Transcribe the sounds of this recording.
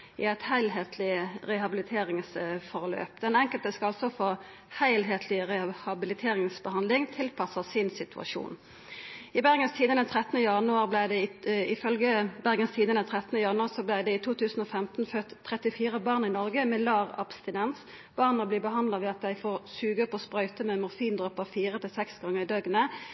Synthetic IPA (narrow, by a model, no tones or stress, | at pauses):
ɪ̰æɪt̪hæɪlɦeːt̪ʰlɪəʁɛhɑbɪlɪt̪ʰeːɾɪŋsfɔʁlø̰ːpd̪ɛnɛŋkəlt̪əskɑɑlsɔfoː | hæɪlɦeːt̪ʰlɪʁɛhɑbɪlɪt̪ʰeːʁɪŋsbəhɑnd̪lɪŋt̪ʰɪlpʰɑsəsɪnsɪt̪ʰʉɑ̰ʃṵːn | ɪbæʁɡənst̪ʰiːd̪ənɛt̪ʰʁɛt̪ənəjɑnʉɑːʁblæɪd̪ɛɪfœlɡəbæʁɡənst̪ʰiːd̪ənət̪ʰʁɛt̪ənəjɑnʉɑːʁsɔblæɪd̪ɛɪt̪ʰuːt̪ʉːsn̩ɔfɛmt̪n̩føt̪ʰːʁɛt̪ɪfiːʁəbɑːʁnɪnɔʁɡəmɛlɑːʁɑ̰pst̪ɪnɛns | b̥ɑːʁnnəbliːbəɦɑnd̪lɑʋɛːɑt̪̚d̪æɪfoːʁsʉːɡəpɔspɾœʏt̪əmɛːmʊʁfiːnd̪ʁɔpəfiːʁət̪ʰɪlsɛksɡɑŋːəʁɪd̪œɡnə